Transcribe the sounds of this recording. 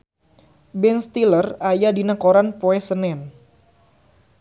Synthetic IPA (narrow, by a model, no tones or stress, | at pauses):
bɛnst̪ilərajadinəkoɾanpoɛsənɛn